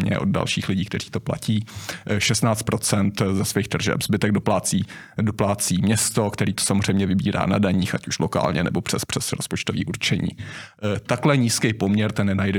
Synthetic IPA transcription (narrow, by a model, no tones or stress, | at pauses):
ɲɛ̰ʔo̞d̪̚da̰lʃiːxlɪɟiːkt̪ɛr̥iːt̪o̞pla̰ciːʃɛst̪naːt͡st̪̚pɾot͡sɛnt̪zɛsviːxd̪r̩ʒɛ̰pz̥bɪt̪ɛɡ̚doplaːt͡siː | doplaːt͡siːmɲɛst̪o̞kt̪ɛɾiːt̪o̥samorɛjmɲɛvɪbiːɾa̰ːnadaɲiːxʔacu̥ʃloka̰ːlɲɛ̰nɛbopr̥ɛspr̝̥ɛsɾospo̞t͡ʃt̪ovḭːʔuɾt͡ʃɛɲḭː | t̪aklɛɲiːskɛjpomɲɛɾt̪ɛnnɛnajdɛ